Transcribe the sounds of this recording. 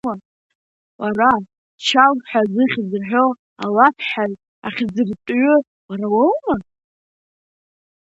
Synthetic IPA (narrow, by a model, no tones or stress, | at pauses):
a | wara | t͡ʃʰawħʷazɨχʲzɨħʷo | alapʰħaz | a̰χʲzɨrtʼɥʏ | waɾawowma